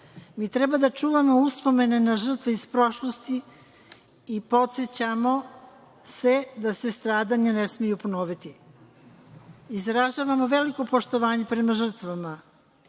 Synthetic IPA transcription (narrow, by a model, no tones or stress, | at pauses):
miːt̪ɾebad̪at͡ʃuːʋamo̞uspo̞me̞nenaʒr̩t̪ʋeispɾo̞ʃlo̞st̪i | po̞t̪set͡ɕamo̞ | se̞d̪ase̞st̪ɾaːd̪aɲanesmejupo̞no̞ːʋit̪i | izɾaʒaːʋamo̞ʋe̞liko̞po̞ʃt̪o̞ʋaːɲepɾe̞maʒr̩t̪ʋama